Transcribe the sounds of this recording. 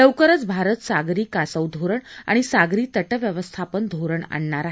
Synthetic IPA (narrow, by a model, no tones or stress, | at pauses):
ləwkəɾət͡sbʱaɾət̪saɡɾiːkasəwd̪ʱoɾəɳa̰ɽ̃isaɡɾiːt̪əʈəʋjəʋəst̪ʰapənd̪ʱoɾəɳa̰ɳːaɾaɦe